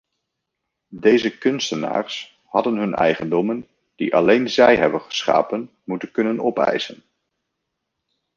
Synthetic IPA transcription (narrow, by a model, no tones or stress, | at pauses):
dejzəkɵnstəna̰ːɹs | hɑdənɦɵnɛ̰jχəndɔmən | d̥iʔɑlejnzɛjɦɛbənχə̥sχa̰ːpən | mutənkɵnənɔpɛ̰jsən